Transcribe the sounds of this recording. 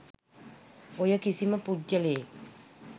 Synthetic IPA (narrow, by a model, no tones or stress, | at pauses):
ojəkisiməpud͡ʒəlee